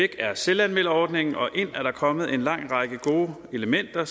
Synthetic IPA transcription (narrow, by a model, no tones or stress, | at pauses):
eɡ̥æɐselænmelɐɒːd̥ne̝ŋn̩ʔɒ̽ʔe̝n̰æɐɾ̥ɑ̈kʰɒ̽məð̞̩ˠe̝nlɑ̈ŋ̰ʁɑ̈ɡ̥əɡ̥o̝ːe̝ləmen̰d̥ɐ